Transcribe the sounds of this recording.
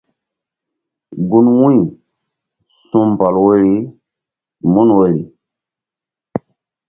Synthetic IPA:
ɡu˦nwũ˦j | sũ˦m˨pa˨lwe˦i˦ | mu˦nwe˦ɾi˨

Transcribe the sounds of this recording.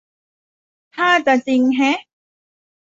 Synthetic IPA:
t̪ʰaː˥˩t͡sa˨˩t͡si˧ŋɦɛ˦˥

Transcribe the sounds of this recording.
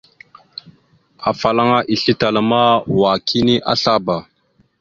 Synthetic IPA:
a˨fa˨la˦ŋa˦ʔi˨ɬi˦ta˨la˦˨ma˦wa˨kʰi˦ni˦ʔa̰˦ɬa˦ba˨

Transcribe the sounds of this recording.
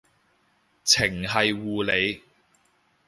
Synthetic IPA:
t͡sʰɪ˨˩ŋɦɐ˨jwuː˨le˨˧j

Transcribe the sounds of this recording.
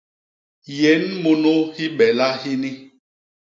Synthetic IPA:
je˨˦n̩˦mo˨no˦hi˦ɓɛ˨la˦hi˦ni˦

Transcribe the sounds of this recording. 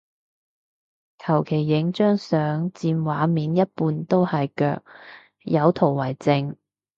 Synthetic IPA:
kʰɐ˨˩wkʰe˨˩jːɪ˨˥ŋt͡ʃœː˥ŋsœː˨˥ŋt͡siː˧nwaː˨˥miː˨˧njɐ˥t̚puː˨˧nt̪o˥whɐ˨jkœ̰ː˧k̚ | jɐ˨˧wt̪ʰo˨˩wwɐ˨˩jt͡sɪ˧ŋ

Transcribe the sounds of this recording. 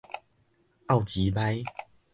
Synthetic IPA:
a˥˨wt͡ɕi˨˦ba˦j

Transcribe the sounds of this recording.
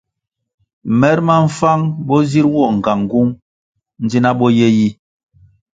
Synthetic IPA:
mɛ˦ɾma˦ɱ̩˦fa˦ŋbɔ˦zi˦ɾwɔ˦˨ŋ̩˨ɡa˨ŋ˨ɡu˦ŋ | n̩˦d͡ʒi˦na˦ɓɔ˦jɛ˦ji˦

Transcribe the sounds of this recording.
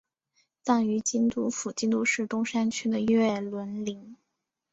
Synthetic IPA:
t͡sɑ˥˩ŋy˧˥t͡ɕi˥nt̪u˥˩fu˨˩t͡ɕi˥nt̪u˥ʂɻ̩˥˩t̪ʊ˥ŋʂa˥nt͡ɕʰy˥d̪ə˨ɥɛ˥˩lwə˧˥nli˧˥ŋ

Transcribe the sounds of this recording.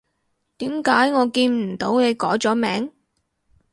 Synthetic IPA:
t̪iː˨˥mkaː˨˥jŋɔː˨˧kiː˧nm̩˨˩t̪o˨˥wne˨˧jkɔː˨˥t͡sɔː˨˥mɛː˨˥ŋ

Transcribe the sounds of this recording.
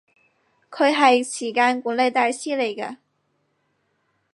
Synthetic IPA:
kʰɵ˧ɦɐ˨˧ɪt͡ɕʰi˨˩ka˥nku˧˥le˥˧t̪a˥˧ɪɕi˥le˨˩ɡə˧

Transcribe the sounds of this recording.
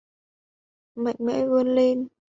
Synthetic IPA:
ma̰˧˨jŋmɛ̰˧˥və˧ənle˧n

